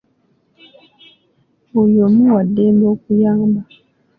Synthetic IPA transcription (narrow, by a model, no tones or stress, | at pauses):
ujomuwadembokujaŋba